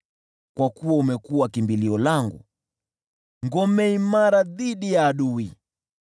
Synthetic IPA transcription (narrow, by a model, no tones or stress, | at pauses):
kwakuwaumɛkuwakimbiliɔlaŋɡṵ | ŋɡɔmɛimaɾaðiɗijaːɗui